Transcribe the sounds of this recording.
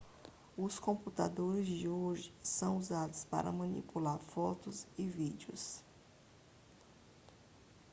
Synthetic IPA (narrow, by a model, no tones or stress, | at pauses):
ʊskõput̪a̰d̪oɾɪzd͡ʒɪoʒɪsɐ̃w̃uzad̪ʊspa̰ɾɐ̰mɐ̃nḭpulaɾfɔt̪ʊsɪvid͡ʒɪʊ̰s